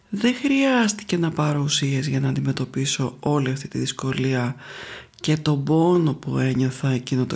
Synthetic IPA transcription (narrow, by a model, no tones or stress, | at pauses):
ðe̞xɾiɐst̪i̥ce̞nɐpɐɾusie̞zʝɐnɐːnd̪ime̞t̪o̞piso̞o̞liɐft̪it̪iðisko̞liɐ | ce̞t̪o̞bo̞no̞pue̞ɲo̞θɐecinot̪o